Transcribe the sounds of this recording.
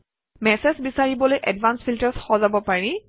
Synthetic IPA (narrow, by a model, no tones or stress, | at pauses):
mɛsɛsbisaɹibɔlojʔɛdvʱansfʰiltəɹsxɔzabɔpaɹi